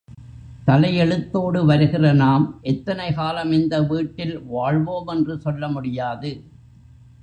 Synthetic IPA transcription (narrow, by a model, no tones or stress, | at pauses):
t̪ɐlɐjɛɭɯt̪ːoːɽɯʋɐɾɯɣɪrɐnaːmʔɛt̪ːɐnɐɪkaːlɐmɪnd̪ɐʋiːʈːɪlʋaːɻʋoːmɛndrɯsɔlːɐmʊɽɪjaːðɯ